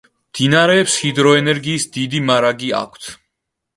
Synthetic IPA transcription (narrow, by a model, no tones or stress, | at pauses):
md̪̥inaɾɛːpshid̪ɾɔɛnɛɾɡiːsd̪id̪imaɾaɡia̰kʷʰt̪ʰ